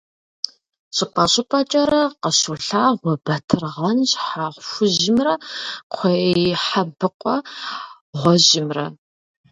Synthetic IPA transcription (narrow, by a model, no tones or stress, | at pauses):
ɕʼɪpʼɐɕʼɪpʼɐt͡ʃʼɐɾɐqəɕuɬaːʁʷɔbɐtʰɨrʁɐnʑħaːʁʷxʷʊʑɪmrɐqʷʰejħabɨqʷʼɔ | ʁʷɔʑɪmrɐ̰